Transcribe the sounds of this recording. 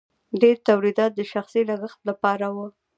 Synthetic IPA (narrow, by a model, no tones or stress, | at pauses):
ɖeɾt̪awɾid̪ɑt̪̚d̪əʃaxsilaɡəxt̪lapɑɾawə